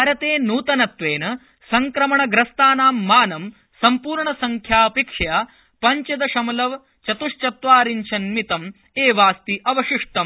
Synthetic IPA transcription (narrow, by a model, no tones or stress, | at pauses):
aːɾɐt̪eːnuːt̪ɐnɐt̪ʋeːnɐ | sɐŋkɾɐmɐɳɐɡɾɐst̪aːnaːmːaːnɐm | sɐmpuːɾɳɐsɐŋkʰjaːpikʂjaː | pɐɲt͡ʃɐd̪ɐʃɐmɐlɐʋ | t͡ʃɐt̪uʂt͡ʃɐt̪ʋaːɾinʃʰɐnmit̪ɐm | eːʋaːst̪iʔɐʋɐʃiʂʈ̪ɐm